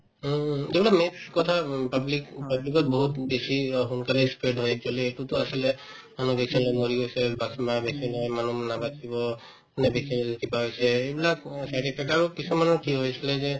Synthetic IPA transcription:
d͡ʒebɛlametkɔt̪ʰapablikpablikɔt̪̚bɔɦut̪besiɦunkalispeɖɦojek̚d͡ʒoleːʈut̪ɔasile | manud̪ekʰsilɔmoɾiɦojsɛbasbabesʰinɔjmanunabat͡ʃʰibɔ | nebekʰinlkipaɦojsʰeːbilaksɛʈipʰɛk̚abɔkisʰumanɔkiɦojsilɛze

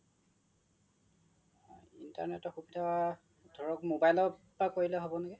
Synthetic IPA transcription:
ḭnta̰ɹnɛtɔxubidʱawa | dʱɔɹɔkmobajlɔ | akoɹilɛɦobɔnɛɡɛ

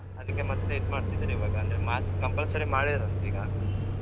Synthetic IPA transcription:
ɐd̪ɐkːe̞mɐt̪ːeit̪maːɽt̪id̪ɐɾiːʋaːɡɐːnd̪ɐɾemaːskːɐmpɐlsɐɾimaːɽid̪ɐɾɐnt̪ɐiːɡɐ

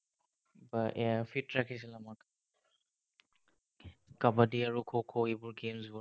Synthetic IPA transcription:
baʔɛapʰitɹakʰis̬ilamak | kabadiaɹukʰokʰoebʊɹɡemzbɔ

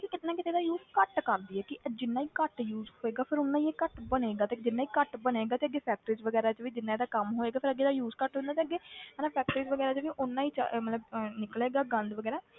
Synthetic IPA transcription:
kikɪt̪nãːkɪt̪eːd̪aːjuːzkəʈkəɾd̪iːɛːkɪd͡ʒɪnːaːiːkəʈjuːzɦoːeːɡaːpʰɪɾʊnːãːieːkəʈbəneːɡaːt̪ed͡ʒɪnːaːiːkəʈbəneːɡaːt̪eːəɡːeːpʰɛːk̚ʈəɾiːzʋəɡɛːɾaːt͡ʃʋiːd͡ʒɪnːãːeːd̪aːkəmɦoːeːɡaːpʰɪɾəɡeːd̪aːjuːzkəʈɦõnd̪aːt̪̬eːəɡːeːnãːpʰɛːk̚ʈəɾiːzʋəɡɛːɾaːt͡ʃʋiːʔʊnːãːiːt͡ʃa̰mət̪ləbnɪkleːɡaːɡə̃nd̪ʋəɡɛːɾaː

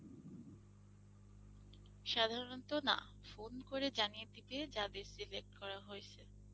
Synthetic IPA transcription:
ʃad̪ʱaɾont̪ona̰ | fonkoɾed͡ʑanijet̪iped͡ʑad̪eɾsilek̚ʈkɔɾaɦoet͡ɕʰe

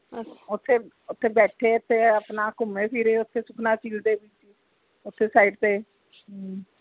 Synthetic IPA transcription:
ʊt̪ʰːeː | ʊt̪ʰːeːbɛːʈʰeːʊt̪ʰːeːəpnaːkʊmeːpʰiɾeːʊt̪ʰːeːsʊkʰnaːt͡ʃiːld̪eːbɪt͡ʃi | ʊt̪ʰːeːsaːiɖt̪eː

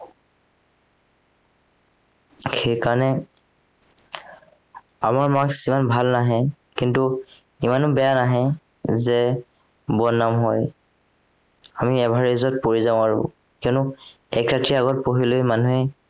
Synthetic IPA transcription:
xejkaɹɔnɛ | amaɹmaksimanbʱalnaɦɛ | kintu | imanʊbɛjanaɦɛ | zɛ | bɔnːamɦɔj | amiɛbʱaɹezɔt̚poɹizaʊ̃aɹʊ̰ | kiɔnʊ | ɛkɹatiaɣɔt̚poɦilojmanuɦɛ

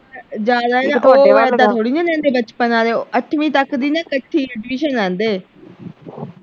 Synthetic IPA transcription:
d͡ʒaːd̪aːɛːaeːʋaːɽd̪ãːt̪ʰoːɽiːnãːnɛ̃ːnd̪eːbət͡ʃpənãːɾeːoʔəʈʰʋĩːt̪əkd̪iːnãːkəʈʰːiːʈʋiːʃənɛ̃ːnd̪eː

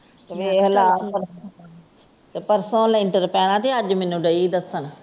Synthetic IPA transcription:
t̪eʋeːɦəlaːpəɾ | t̪eːpəɾsõːlɪɳʈəɾpɛːɽ̃ãːt̪eːəd͡ʒmenũːɖəid̪əsəɳ

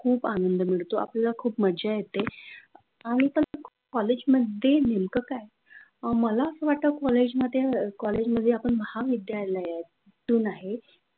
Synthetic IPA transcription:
kʰuːpanənd̪əmiɭt̪oa̰plalakʰuːpməd͡ʑajet̪e | aɽ̃it̪ənəkʰ | kɔled͡ʑməd̪ʱjenemkəkaj | məlaəsəːʋaʈ̚t̪əkɔled͡ʑməd̪ʱjekɔled͡ʑməd̪ʱːjeapəɳməhaʋid̪jaləja | t̪uːnaɦe

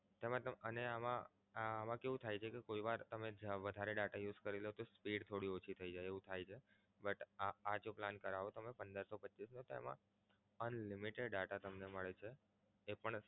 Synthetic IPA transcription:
t̪emãt̪əəneamã | amãkeʋũt̪ʰajt͡ʃʰekekoiʋaɾt̪əmed͡ʒʋəd̪ʱaɾeɖaʈajud͡ʒkəɾilot̪ospiɽt̪ʰoɽiot͡ʃʰit̪ʰəid͡ʒajeʋũt̪ʰajt͡ʃʰe | bəʈad͡ʒoplankəɾaʋot̪əmepənd̪əɾsopətːʃisnõt̪ḛmã̰ | ənlimiʈeɖɖaʈat̪əmneməɭet͡ʃʰeː | pəɳ

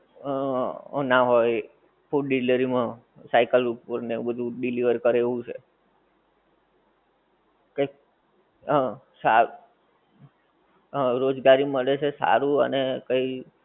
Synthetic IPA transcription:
naɦoj | puʈɖiləɾimã | sajkəlupəɾnebəd̪ʱũɖiliʋəɾkəɾeʋũt͡ʃʰḛ | kə | sa | ɾod͡ʒɡaɾiməɭet͡ʃʰesa̰ɾũə̰nekəi

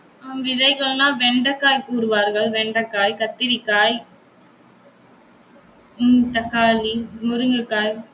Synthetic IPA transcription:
amʋɪðɐɪɣɐɭnãːʋɛɳɖɐkːaːjkuːɾɯʋaːɾɣɐɭʋɛɳɖɐkːaːjkɐt̪ːɪɾikːaːj | ʊnt̪ɐkːaːlimʊɾɯŋɡɯkːaːj

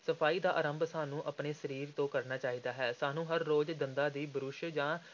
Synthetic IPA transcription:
səpʰaːiːd̪aːʔaːɾəmbsaːnũːʔəpneːsəɾiːɾt̪õːkəɾnaːt͡ʃaːiːd̪aːɦɛːsaːnũːɦəɾːoːd͡ʒd̪ənd̪aːd̪iːbəɾʊʃd͡ʒãː

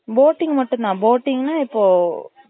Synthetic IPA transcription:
boːʈːɪŋɡmɐʈːʊ̃nd̪ãːboːʈːɪŋɡɐnaːɪpːoː

